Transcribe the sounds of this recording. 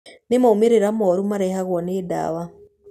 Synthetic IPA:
nimoumiɾeɾamoɾumaɾehaɣoneda̰βa

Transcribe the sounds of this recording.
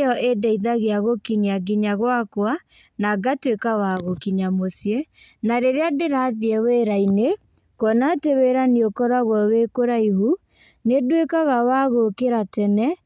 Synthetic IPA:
ɔʔedɛiðaɣeaɣokiɲiaɡiɲaɣwakwa | naɡatwekawaɣokiɲamosijenaɾeɾeadeɾaðiɛweɾaine | kɔnateweɾaniokɔɾaɣwɔwekoɾaiɦu | nedwekaɣawaɣokeɾatɛnɛ

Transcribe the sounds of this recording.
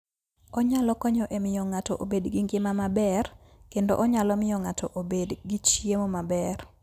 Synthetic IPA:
ɔɲalɔkɔɲɔʔemɪjɔŋatɔʔobedɡɪŋɡemamabɛr | kendo̰ʔɔɲalɔmɪjɔŋatʰɔʔobedɡit͡ʃijemomabɛr

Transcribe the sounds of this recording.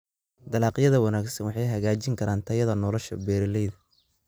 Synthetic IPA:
d̪ɐlaːqjɐðɐwɑnaːɡsɐnwɑħɑjɦɐɣaːt͡ʃɪŋkʰɐɾaːnt̪ʰɐjɐðɐnɔːlɔʃɐ̰bɛːɾɪlɛjðɐ

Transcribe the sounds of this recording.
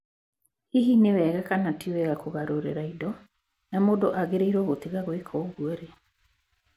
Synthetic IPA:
hiɦinewɛɣakanatiwɛɣakoɣaɾoɾḛɾaidɔ | namodoʔaɣeɾeiɾwɔɣotiɣaɣwekʰɔɣueɾe

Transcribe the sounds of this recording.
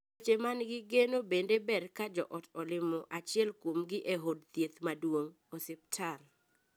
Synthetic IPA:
ot͡ʃemanɡɪɡenobendebɛrkad͡ʒɔʔɔtɔlɪmɔʔat͡ʃɪɛlkwomɡɪʔeɦod̚t̪jet̪madwoŋ | ɔsɪp̚tʰal

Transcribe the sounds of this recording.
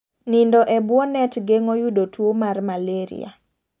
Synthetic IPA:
nindɔʔɛbwɔnɛtɡeŋojudotwomarmaleɾḭa̰

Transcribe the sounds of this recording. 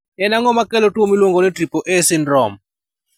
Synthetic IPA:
ɛnaŋɔmakɛlɔtwomilwoŋɡonɛtɾipoʔɛsɪnɾɔm

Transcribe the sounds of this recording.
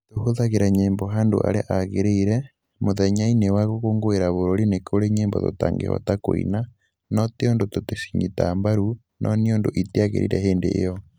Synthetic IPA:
tohoðaɣeɾaɲeːmbɔɦaːndo̰ʔa̰ɾeʔaɣeɾeiɾɛ | moðɛɲainewaɣoɣoːŋɡoeɾaβoɾoɾinekʰoɾeɲeːmbɔ̰to̰ta̰ːŋɡḛhɔ̰takoḭna | nɔteondototesi̥ɲitaːmbaɾu | nʔɔniondoʔitiaɣḛɾḭɾɛɦeːndḛʔjɔ

